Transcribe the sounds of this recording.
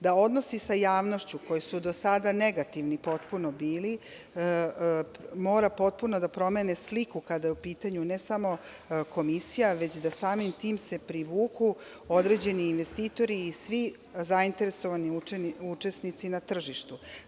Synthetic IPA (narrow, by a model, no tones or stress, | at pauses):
d̪ao̞d̪no̞sisajaːʋno̞ʃt͡ɕuko̞jisud̪o̞sad̪ane̞ɡat̪iʋnipo̞t̪puno̞biːli | mo̞ːɾapo̞t̪̚puno̞d̪apɾo̞me̞neslikukad̪ajeupiːt̪aɲune̞samo̞ | ko̞misijaʋe̞t͡ɕd̪asaːmimt̪iːmse̞pɾiʋuːku | o̞d̪ɾe̞d͡ʑe̞niːnʋe̞st̪iːt̪o̞ɾiːsʋi | zaint̪e̞ɾe̞so̞ʋaniueniut͡ʃe̞snit̪sinat̪r̩ʒiʃt̪u